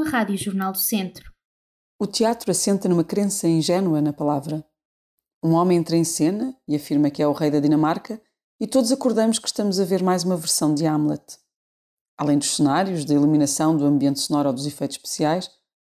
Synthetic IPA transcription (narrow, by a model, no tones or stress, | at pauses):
ɐʁaðjuʒuɾnalˠd̪usẽnt̪ɾu̥ | ut̪iat̪ɾuɐsẽnt̪ɐnumɐkɾẽsɐĩʒɛnwɐnɐpɐlˠavɾɐ | ũɔmẽj̃ẽnt̪ɾɐẽsenɐiɐfiɾmɐkɛuʁɐjðɐðinɐmaɾkɐ | it̪oðuzɐkuɾðɐmʊʃkɨ̥ʃt̪ɐmuzɐveɾmajzumɐvɨɾsɐ̃w̃d̪ɨamlˠɛt̪ | alˠɐ̃j̃d̪uʃsɨnaɾjuʒðɐilˠuminɐsɐ̃w̃d̪uɐ̃mbiẽnt̪sunɔɾɔd̪uzifɐjt̪u̥ʃpɨ̥siajʃ